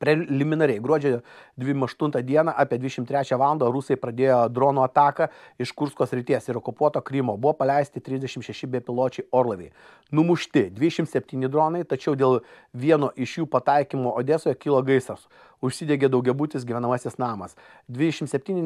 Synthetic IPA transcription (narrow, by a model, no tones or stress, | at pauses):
pʲɾʲɛlʲɪmʲɪnɐɾʲɛɪɡɾuɔd͡ʒʲɛd̪ʲʋʲɪmɐʃt̪ʊnt̪ɐd̪ʲiɛnɑʔɑːpʲiɛd̪ʲʋʲɪd̪ʲɛʃɪmt̪ɾʲæːt͡ʃʲæːʋɑːlˠɐnd̪ɐɾusɐɪpɾɐd̪ʲeːjoːd̪ɾoːnuːɐt̪ɑːkɐɪʃkʊɾskoːsʲɾʲɪt̪ʲiɛsɪɾoːkʊpuɔt̪oːkɾʲɪmoːbʊʋoːpɐlʲɛɪsʲt̪ʲɪt̪ʲɾʲɪzʲdʲɛʃʲɪmʃʲɛʃʲɪbʲɛpʲɪlˠoːt͡ʃʲɛɪoːɾlˠɐʋʲɛɪ | nʊmʊʃʲt̪ʲɪd̪ʲʋʲɪd̪ʲɛʃʲɪmsʲɛpʲt̪ʲiːnʲɪd̪ɾoːnɐɪt̪ɐt͡ʃʲɛʊd̪ʲeːlˠ | ʋʲiɛnoːʔɪʃjuːpɐt̪ɐɪkʲimoːʔoːd̪ʲeːsoːjɛkʲiːlˠoɡɐɪsɐs | ʊʃʲsʲid̪ʲeːɡʲeːd̪ɐʊɡʲɛbuːt̪ʲɪsɡʲiʋʲɛnɐmɑsʲɪsnɑːmɐs | d̪ʲʋʲɪd̪ʲɛʃʲɪmtsʲɛpʲt̪ʲiːnʲɪ